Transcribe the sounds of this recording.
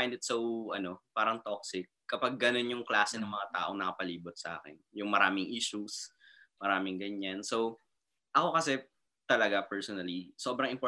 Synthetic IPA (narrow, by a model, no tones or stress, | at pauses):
ajnd̪ɪt̪sowʔɐno̞paːɾɐŋt̪ok̚sɪk̚ːɐpaɡ̚ːɐno̞njʊŋklaːsɛnɐŋmɐŋat̪a̰ːʔo̞ŋnɐkɐpɐliːbot̪̚sɐ̰ʔa̰ːkɛ̰njʊŋmɐɾaːmɪŋʔiːʃus | mɐɾaːmɪŋɡɐɲːanso̞w | ʔɐko̞kɐsɛ | t̪ɐlɐɡapɛɹsonɐliso̞ːbɾɐŋɪmpo